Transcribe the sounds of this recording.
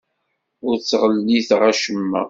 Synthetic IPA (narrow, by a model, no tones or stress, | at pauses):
ʊɾt͡sːʁəlːiθʁaʃəmːæ̰